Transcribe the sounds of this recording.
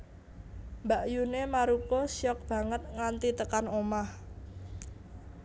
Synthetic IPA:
mbaʔjunemaɾukɔsjɔk̚b̥ä̤ŋət̪̚ŋant̪it̪əkanomah

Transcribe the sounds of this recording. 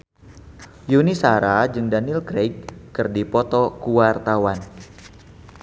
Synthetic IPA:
junisaɾad͡ʒɨŋdanilɡɾeɡ̚kɨrdipɔt̪ɔkuwart̪awan

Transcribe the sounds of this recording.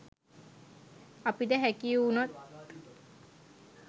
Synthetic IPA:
apid̪ɛɦɛkiunɔt̪̚

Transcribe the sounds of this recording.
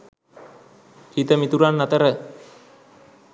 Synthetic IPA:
hit̪əmit̪uɾanːat̪əɾə

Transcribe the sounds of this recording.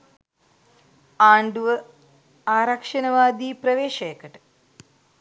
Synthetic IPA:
aːɳɖuʋɐ | aːɾɐkʂɐnɐʋaːd̪iːpɾɐʋeːʃɐjkɐʈ

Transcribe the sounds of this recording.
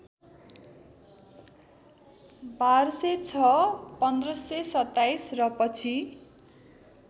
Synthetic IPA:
barset͡sʰʌpʌnd̪rʌsesʌt̪ːajsrʌpʌt͡sʰi

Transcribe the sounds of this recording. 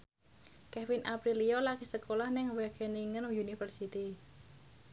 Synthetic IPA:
kɛfinʔapɾilijɔlakisəkolahnɪŋwɛɡ̥ɛniŋənjunifərsit̪i

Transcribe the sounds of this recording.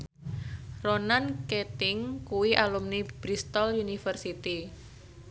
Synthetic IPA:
ronanket̪ɪŋkuwiʔalumnib̥ɾist̪ɔljunifərsit̪i

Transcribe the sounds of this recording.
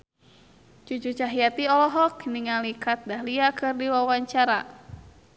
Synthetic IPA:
t͡ʃut͡ʃut͡ʃaɦijat̪iɔlɔɦɔkniŋalikat̪̚daɦliakɨrdiwawaɲt͡ʃaɾa

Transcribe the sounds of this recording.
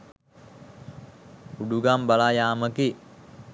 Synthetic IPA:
uɖuɡambalajaːməki

